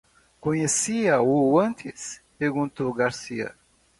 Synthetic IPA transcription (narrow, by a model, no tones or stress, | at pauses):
kõɲesiɐuɐ̃nt̪ʰispeɾɡũnt̪oɡaɾsiɐ̰